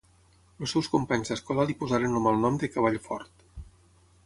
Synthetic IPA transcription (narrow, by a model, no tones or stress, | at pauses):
losɛwskumpaɲzðəskɔlalipuzaɾenomalˠnɔmd̪əkəβ̞aʎfɔ̰ɾt̪